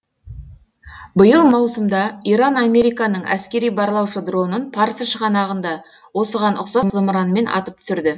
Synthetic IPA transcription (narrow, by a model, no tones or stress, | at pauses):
bəjəlˠmɑwsəmd̪ɑiɾɑnɑme̞ɾijkɑnəɴæ̰skʲe̞ɾijbɑɾlˠɑwʃəd̪ro̞nənpʰɑɾəsəʃəʁɑnɑʁənd̪ɑ | wo̞səʁɑnʔʊqsɑmzəmɾɑnme̞nʔɑ̰t̪əp̚t̪sʏɾd̪ɪ